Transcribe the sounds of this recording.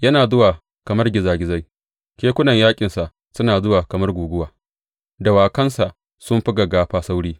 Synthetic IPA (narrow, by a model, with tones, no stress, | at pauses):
jɐ˦naː˨zʊ˦waː˨ | kɐ˨mɐ˦rɡʲɪ˨zaː˨ɡʲɪ˨za˦j | kʲeː˦kʷʊ˦nɐ˨ɲjaː˦kʲʼɪ˨nsa˨ʔ | sʊ˦naː˨zʊ˦waː˨kɐ˨mɐ˦rɡʷuː˨ɡʷʊ˦waː˨ | da˨waː˨kɐ˦nsa˨ʔ | sʊ˦mɸɪ˦ɡa˨ɡaː˦ɸaː˦sa˦wɽiː˦